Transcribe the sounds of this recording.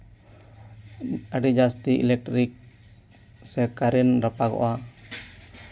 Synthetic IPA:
aɖid͡ʒast̪iʔḭlɛk̚ʈɾik̚ | sɛkaɾinɾapaɡɔ̰ʔa

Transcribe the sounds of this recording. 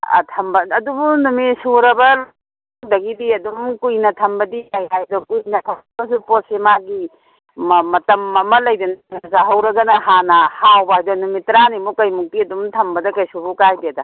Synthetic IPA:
tʰɐmbɐɐdubunumisuɾɐbɐl | dɐɡidiɐdumkujnɐtʰɐmbɐdikajajdɔkujnɐtʰɐmbɐsuposemaɡi | mmɐtɐmɐmɐlɐjdɐnnzaɦɐwɾɐɡɐnɐɦanɐhawbɐɦajdɔnumitɾanimukɐjmuk̚tiɐdumtʰɐmbɐdɐkɐjsubukajbiɐdɐ

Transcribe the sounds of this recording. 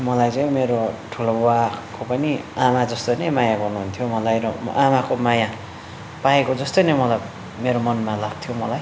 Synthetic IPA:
mʌlajt͡saj̃meɾoʈʰulobakopʌniamad͡zʌst̪ojnʌjmajaɡʌrnuɦunt̪ʰjomʌlajɾʌm̰ʔamakomaja | paekod͡zʌst̪ojnʌjmʌlaj | meɾomʌnmalaɡ̚t̪ʰjomʌlaj

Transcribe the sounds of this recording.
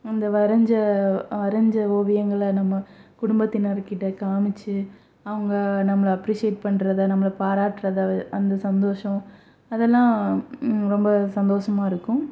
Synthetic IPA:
ɪnd̪ɐʋɐɾɐɲd͡ʒɐʋɐɾɐɲd͡ʒɐoːʋɪjɐŋɡɐɭɐnɐmːɐkʊɽʊmbɐt̪ːɪnɐɾkɪʈːɐkaːmɪt͡ʃːɯ | ɐʋɐŋɡɐnɐmːɐɭɐɐpɾiːʂɪjɛʈ̚pɐɳːɾɐðɯnɐmːɐɭɐpaːɾaːʈːɾɐðʔɐnd̪ɐsɐnd̪oːʂɐ̃ | ɐðɛlːãː | ɾɔmbɐsɐnd̪oːʂɐmaːɪɾɯkːʊ̃

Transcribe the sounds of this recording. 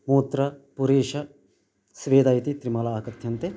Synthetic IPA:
moːt̪ɾɐpuɾeːʃɐ | sʋeːd̪aːit̪it̪ɾimɐlaːkɐt̪ʰjɐnt̪e

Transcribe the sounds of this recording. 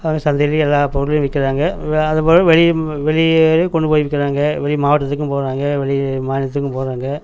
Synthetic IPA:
ɐːɡɐsɐnd̪ɛliɛlːaːpɔɾɯl̃ʋɪkːɪɾaːŋɡɐɐðɐpoːɾɐ̃ʋɛɭɪʋɛɭɪɾɯkɔɳɖɯpoːjɪʋɪkːɪɾaːŋɡɐʋɛɭɪmaːʋɐʈːɐt̪ːɯkːɯ̃poːɾaːŋɡɐʋɛɭɪmaːnɐt̪ːɯkːɯ̃mpoːɾaːŋɡɐ

